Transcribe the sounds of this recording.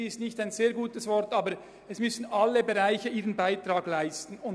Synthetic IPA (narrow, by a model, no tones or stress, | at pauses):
iɪstnɪçtaɪnzeːɐɾɡuːtəsvɔʁtɑːbəɾ | ɛsmʏsn̩ʔɑlːəbeʁaɪçəʔiːʁənbaɪtʁɑːɡlaɪstn̩ʊn